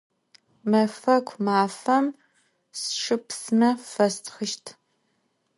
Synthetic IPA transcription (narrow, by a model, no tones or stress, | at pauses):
mɐfɐkʷʰmaːfɐm | sʂɨpsɨnɐfɐstʰχəʃtʰ